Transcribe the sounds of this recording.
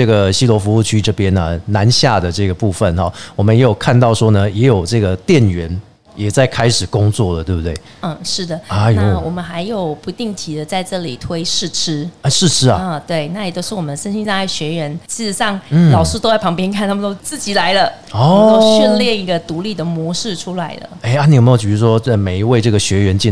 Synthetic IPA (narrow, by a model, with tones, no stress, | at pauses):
ʈ͡ʂɤ˥˩ɡə˩ɕi˥lwɔ˧˥fu˧˥u˥˩t͡ɕʰy˥ʈ͡ʂɤ˥˧pjɛ˥nə̰˨na˧˦nɕja̰˥˩d̪ə˩ʈ͡ʂɤ˥˩ɡə˩pu˥˧fə˨nxɔ̰˨˩wɔ˨˩mə˦njɛ˧˥jo˨˩ʊkʰa˥˧nt̪ɑ˥˩ʊʂwɔ˥nə˨jɛ˧˥jo˨˩ʊʈ͡ʂɤ˥˩ɡə˩t̪jɛ˥˩nɥɛ˧˦˥n | jɛ˨˩t͡sa˥˩ɪkʰa˥ɪʂɻ̩˨˩kʊ˥ŋt͡swɔ˥˩lə˩t̪we˥˩bu˥t̪we˥˩ɪ˥˧˩ʂɻ̩˥˩d̪ə˩a˧˩a˧˥wɔ˨˩mə˨˦nxa˧˥ɪjo˨˩ʊpu˧˥t̪i˥˩ŋt̪ʰi˧˥d̪ə˧t͡sa˥˧ɪʈ͡ʂɤ˥˩li˨˩t̪ʰwe˥ɪʂɻ̩˥˩ʈ͡ʂʰɻ̩˥ɛ˥˩ʂɻ̩˥˩ʈ͡ʂʰɻ̩̰˥˨˥t̪we˥˩ɪna˥˩jt͡ɕjo˥ʊʂ̩˥wɔ˨˩ə˦nʂə˥nɕi˥ŋsɑ˥˧ŋa˥˩ɕɥɛ˧˥ɥɛ˧˥nt͡ɕʰi˧˥ʂɻ̩˧˥˦ʂɑ˥˩ŋn̩˨˩lɑ˨˩ʊʂ̩˥˩t̪o˥ʊwa˥˩ɪpʰŋpjɛ˥nkʰa˥˩nt̪ʰa˥mə˨t̪ʊt͡sɹ̩˥˩t͡ɕi˨˩la˧˥ɪlə˧˨ | ɔ˥m˨t̪o˥˧ʊɕɛ˥˧nljɛ˥˩ni˧˥ɡə˧t̪u˧˥li˥˩d̪ə˩mwɔ˧˥ʂɻ̩˥˩ʈ͡ʂʰu˥la˧˥ɪlə̰˨e˥˩ɪa˥˩ni˨˩me˥jo˨˩ʊt͡ɕy˨˩t͡ɕy˥ʂwɔ˥ə˧˩me˨˩ɪi˧˦˥we˥˧ɪʈ͡ʂɤ˥˩ɡə˩ɕɥɛ˧˥ɥɛ˧˥nt͡ɕɛ˥˨